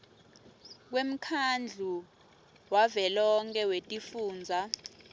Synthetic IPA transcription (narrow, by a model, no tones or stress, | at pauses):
k̬wem̩kʰand͡ɮʱu | wavɛlɔŋkʼɛwetʼifuːnd͡zʱa